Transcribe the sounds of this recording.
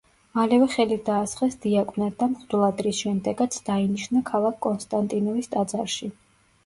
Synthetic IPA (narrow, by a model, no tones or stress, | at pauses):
malɛvɛχɛlid̪aːsχɛsd̪iakʼvnad̪amχd̪ulˠad̪ɾisʃɛmd̪ɛɡat̪sʰd̪̥ainiʃnakʰalˠakʰkːʼɔnst̪ʼant̪ʼinɔvist̪ʼad̪zaɾʃi